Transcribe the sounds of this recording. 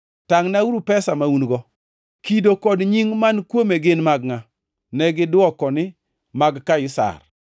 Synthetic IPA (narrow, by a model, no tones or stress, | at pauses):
taŋnawuɾupɛsamaunɡɔ | kidokɔdɲiŋmankwomeɡɪnmaɡŋa | nɛɡɪdwɔkɔnɪ | maɡkajʊsa̰r